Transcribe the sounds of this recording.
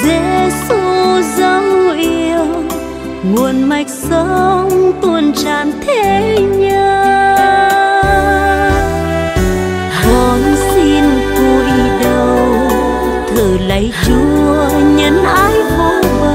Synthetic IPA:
ze˧˨˦su˧zə˧˦wŋ͡mʔi˧əw | ŋu˨˩ənma˨˩jk̟̚sə˧˦ŋ͡mt̪u˧ənt͡ɕaː˧˨˩nt̪ʰe˧ɲəː˧ | kɔ˨˩nsi˧nku˧˩jɗə˧w | zɨː˨˩lə̰˧˨jt͡ɕu˧˦əɲə˨˦nʔaː˧˦jvaː˧˦ə˧

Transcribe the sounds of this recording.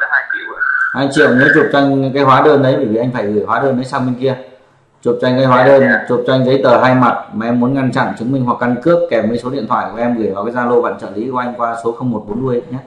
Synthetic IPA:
aː˧jt͡ɕi˧whaː˧jt͡ɕḭ˧˨əwne˨˦t͡ɕu˨˩p̚t͡ɕa˧jŋ̟kaː˨˦jhwaː˨˦ɗəː˧nɗə˨˦jɓəː˧˩vi˨˩ʔa˧ŋ̟faː˧˩jɣɨ˧˩jhwaː˨˦ɗəː˧˩nɗə˨˦saː˧wmi˧ŋki˧ə | t͡ɕu˨˩p̚t͡ɕa˧jŋ̟kaː˨˦jɦwaː˨˦ɗəː˧nt͡ɕu˨˩p̚t͡ɕa˧jŋ̟zə˨˦jt̪əː˧˩ɦaː˧jma˨˩t̚maː˨˩ʔɛ˧mːu˨˦ənŋa˧nt͡ɕa̰˧˨nt͡ɕɨ˨˦ŋmï˧ŋ̟ɦwa˨˩kːa˧nkɨ˦˥əp̚kɛ˨˩mɨ˧əjso˨˦ɗḭ˧ənt̪ʰwaː˧˨jkʔɛ˧mɣɨ˧˩jvaː˨˩kaː˨˦jzaː˧lo˧ɓa̰ː˧˨nt͡ɕə̰ː˧˩li˨˦kːʔa˧ŋ̟kwaː˧so˨˦xə˧wŋ͡mmo˨˩t̚ɓo˨˦nmu˧əjɲə˦˥

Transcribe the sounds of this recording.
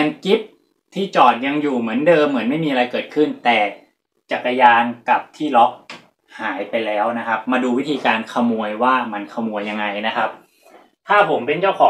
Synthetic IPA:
a˧ŋki˦˥p̚ | t̪ʰiː˥˩t͡ɕɔː˨˩t̪̚ja˧ŋjuː˨˩mɯ˩˦əndɤː˧mːɯ˩˦ənma˥˩jmiː˧ʔa˧ɾa˧jkɤː˨˩t̪̚kʰɯ˥˩nt̪ɛː˨˩ | t͡ɕa˨˩kːa˧jaː˧nka˨˩p̚t̪ʰiː˥˩lɔ˦˥k̚ | haː˩˦jpa˧jlɛː˦˥wna˦˥kʰa˦˥p̚maː˧duː˧wi˦˥t̪ʰiː˧kaː˧nkʰa˧mu˧əjwaː˥˩ma˧nkʰa˧mu˧əjːa˧ŋːa˧jna˦˥kʰa˦˥p̚ | t̪ʰaː˥˩pʰo˩˦mpe˧nt͡ɕaː˥˩wkʰɔː˩˦

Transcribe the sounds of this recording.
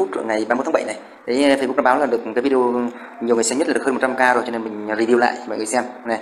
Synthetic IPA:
u˦˥t̚ŋa˨˩jɓaː˧m˧˦˥t̪ʰːɓjna˨˩j | ɗ̪ʰe˨˦fə˧zɓu˦˥k̚ɗɓaː˨˦laː˨˩ɗɨ˨˩əkkaː˨˦vi˧o˧ | ɲ˨əwŋ˨˩smə˦˥tlːhːm̚˨˩t͡ɕa˧mkaː˧zo˨˩jt͡ɕɔ˧ne˧nmï˨˩ŋ̟ɾi˧˩vi˧wla̰ː˧˨jmɔ̰˧˨ŋɨ˨˩sɛ˧mna˨˩

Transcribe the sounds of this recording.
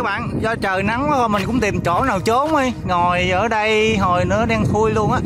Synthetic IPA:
ɓa̰ː˧˨nzɔ˧t͡ɕəː˨˩na˨˦ŋa˨˦t̪ʰɔ˨˩mï˨˩ŋ̟kʊ̰˧˥ŋ͡mt̪i˨˩mt͡ɕo̰˧˩naː˨˩wt͡ɕo˨˦mə˧jŋɔ˨˩jʔəː˧˩ɗə˧jɦo˨˩jnɨ̰˧˥ə˦ɗa˧ŋfʰu˧əjlu˧ənʔaː˨˦˥

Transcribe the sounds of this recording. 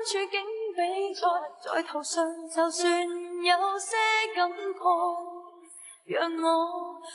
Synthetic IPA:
nt͡ʃʰyː˨˧kɪ˥ŋpe˨˥jt͡sɔː˨˧˥t͡sɔ̰ː˨˥jt̪ʰɐ˨˩wsœː˧ŋt͡sɐ˨˧wsyː˧njɐ˨˧˥wsɛː˥kɐ˨˥mkʰɔ˧˥ | jœː˨ŋːɔː˨˧

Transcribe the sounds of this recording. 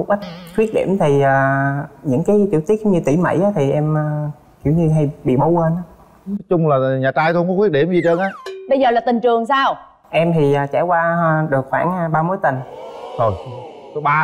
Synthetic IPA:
mʊ˨˩k͡p̚ʔa˦˥jk̚xwi˦˥ət̚ɗḭ˧˩əmt̪ʰi˨˩ʔaː˨˩ɲɨ̰˧˥ŋkaː˨˦jt͡ɕi˧˥əwt̪i˦˥t̚kŋ͡mɲɨ˧t̪i˧˩mə̰˧˩jʔaː˨˦t̪ʰi˨˩ʔɛ˧məː˨˩ | hḭ˧˩əwɲɨ˧ɦa˧jɓḭ˧˨ɓo˨˦wwəː˧nʔaː˨˦ | ɔ˦˥t͡ɕʊ˧ŋ͡mlaː˨˩ɲaː˨˩t͡ɕaː˧jt̪o˧ŋ͡mkɔ˨˦˥wi˦˥t̚ɗi˧˩mzi˨˩t͡ɕə˧nʔaː˧˦ɓə˧jzəː˨˩laː˨˩t̪ï˨˩ŋ̟t͡ɕɨ˨˩əŋsaː˧w | ʔɛ˧mt̪ʰi˨˩ʔaː˨˩t͡ɕa˧˩jkwaː˧ɗɨ˨˩ək̚xwaː˧˩nː˧ɓaː˧mo˨˦jt̪ï˨˩ŋ̟zo˨˩j | t̪o˨˦ɓaː˧

